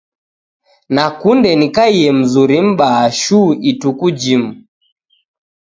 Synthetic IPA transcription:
nakundɛnikaiɛm̩zuɾim̩ɓaːʃuitukud͡ʒimu

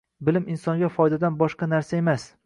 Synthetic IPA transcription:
bɪlɪmɪnsɒŋɡʲafɒjd̪ad̪anbɒʃqɑnaɾsae̞mas

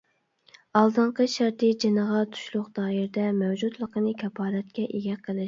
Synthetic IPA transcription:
ɑlˠd̪ɨɴqəʃæɾt̪ɨd͡ʒenəʁɑt̪ʰu̥ʃlˠʊqd̪̥ɑːiɾd̪ɛmɛwd͡ʒud̪lˠəqʰənɨkʲʰɛpʰɑːɾɛt̪̚kʲɛʔeɡʲɛqʰəlˠɪʃ

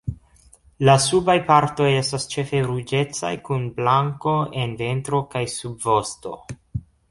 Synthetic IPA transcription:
lasubajpaɾto̞je̞stast͡ʃe̞fe̞ɾud͡ʒe̞t͡sa̰jkunblaŋko̞e̞nve̞ntɾo̞kajsubvo̞sto̞̰

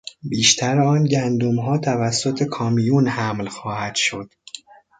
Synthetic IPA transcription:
biːʃt̪ʰæɾɒːnɟænd̪umɦɒːt̪ʰævæsːo̞t̪ʰe̞kʰɒːmijunhæmlxɒːhæd̪̥ʃo̞d̪̥

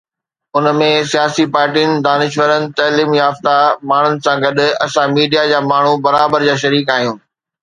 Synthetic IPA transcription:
ʊnəmẽsijaːsipaːɾʈijənɪ̆d̪aːnɪʃwəɾənɪ̆t̪ɐːliːmjaːft̪amaːɳ̤ʊnɪ̆sãɡɐɗʊ̆ɐsãmiːɖijad͡ʑaːmaːɳ̤ubɐɾaːbəɾd͡ʑaːʃ̬ɐɾiːk̬aːɦijũː

